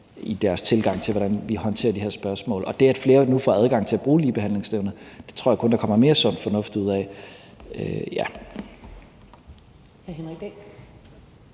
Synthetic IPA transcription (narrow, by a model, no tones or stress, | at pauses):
id̥æɐst͡sʰe̝lɡ̥ɑ̈ŋ̰t͡sʰe̝lʋɒ̽ɾ̥ænʋihɒ̽nt͡sʰe̝̰ːɐd̥ihe̝ɐ̰sb̥ɶɐsmɔ̰̽ːlɒ̽d̥e̝ææd̥fle̝ːɐnufɒæðˠɡ̥ɑ̈ŋ̰t͡sʰe̝læb̥ʁuːliːb̥e̝ænle̝ŋsd̥eʊnð̩d̥e̝̥t͡sʰʁo̰ɐjkʰɔ̽nd̥ɑ̈kʰɒ̽m̰ɐme̝ːɐsɒ̽n̰fɒ̽nɔ̽fd̥uð̞̰ˠɛ̰ | øjæ | hæɐhenʁiɡ̥